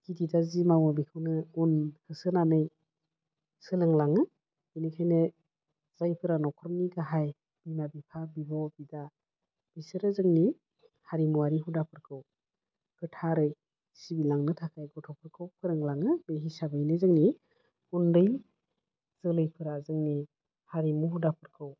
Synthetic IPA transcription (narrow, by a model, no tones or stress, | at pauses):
kididazimawɯbikʰɯwnɯunhɯsɯnanɯj | sɯlɯŋlaŋɯ | inikʰajnɯ | z̥ajpʰɯɾanɔkʰɾɔŋniɡaɦaj | b̥imabipʰabibɔbida | b̥isɯɾɯzɯŋni | haɾimuwaɾiɦudapʰɯɾkʰɯw | kɯtʰaɾɯj | sibilaŋnɯtʰakʰajɡɔtʰɔpʰɯɾkʰɯwpʰɯɾɯŋlaŋɯbeɦisabɯjnɯzɯŋni | hundɯj | z̥ɯlɯjpʰɯɾazɯŋni | haɾimuɦudapʰɯɾkʰɯw